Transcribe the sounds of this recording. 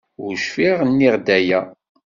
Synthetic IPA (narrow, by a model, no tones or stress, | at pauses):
ʊɾʃfiʁnːiʁd̪æjæ